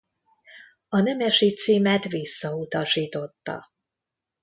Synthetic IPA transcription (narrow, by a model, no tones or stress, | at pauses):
ɒnɛmɛʃit̪siːmɛt̪ʋisːɒut̪ɒʃiːt̪o̞t̪ːɒ̰